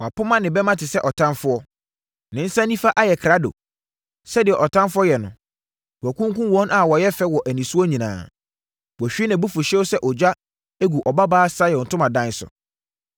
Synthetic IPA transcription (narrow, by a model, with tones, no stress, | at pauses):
wa˨pʰʊ˦mã˦nɪ̃˨bɛ˦mã˦tʰɪ˨sɛ˦ʔɔ˨tʰã˦nfʊ˦ɔ˦ | nɪ̃˨n̩˦sã˦nĩ˦fa˦ʔa˦jɛ˨kʰɾa˦do̰˨ | sɛ˦dɪ˨ɛ˨ʔɔ˨tʰã˦nfʊ˦ɔ˦jɛ˨nʊ̰̃˨ | ɔ˨kũ˦ŋkũ˦wɔ̃˦nʔa˨wɔ˨jɛ˦fɛ˦wɔ˨ʔæ˨nĩ˨su˦ɔ˦ɲĩ˨nã̰ː˨ | wɔ˨ɕᶣi˦nã˨bu˦fʊ˨ɕɛ˦wsɛ˦ʔɔ˨d͡ʑᶣa˦ | æ˦ɡu˨ʔɔ˨ba˦baː˦sa˦jɛ˨n̩˨tʰʊ̃˦mã˨dã˦n˦sʊ̰˨